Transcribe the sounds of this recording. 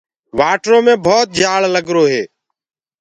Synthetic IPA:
ʋaːʈɾõːmẽːbʱɔːt̪̚d͡ʒʱaːɭləɡɾoːɦeː

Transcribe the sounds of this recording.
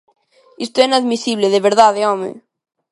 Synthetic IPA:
ist̪oɛnaðmisiβleðeβeɾðaðeɔmḛ

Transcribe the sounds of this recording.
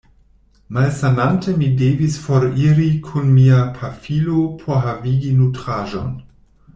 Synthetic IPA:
malsanantemideːvisfoɾiɾikʰunmiapʰafilopʰoɦaviːɡinutɾaʒo̰n

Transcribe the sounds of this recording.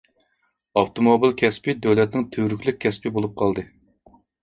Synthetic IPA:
ɑft̪omobilkʲʰɛspɪd̪øwlɛt̪̚nɪŋt̪ʰøɾykʲlɪk̚ʲʰːɛspɪbolˠup̚qʰɑlˠd̪ɨ

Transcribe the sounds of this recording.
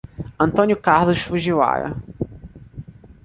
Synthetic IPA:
ɐ̃nt̪õnjʊkaɾlʊʃfuʒiwa̰ɾɐ̰

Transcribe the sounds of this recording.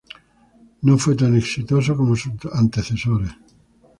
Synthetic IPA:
nõɱfwet̪̬aneksit̪os̬okomosuant̪eθesoɾe

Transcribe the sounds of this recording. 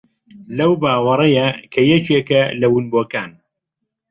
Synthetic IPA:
lɐwbaːwɐɾˤɐjɐkʰɐjɛt͡ʃeːkɐlɐwunboːkaːn

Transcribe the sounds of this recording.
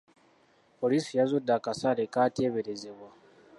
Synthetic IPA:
polisijazudakasalekateβeɾezeβwa

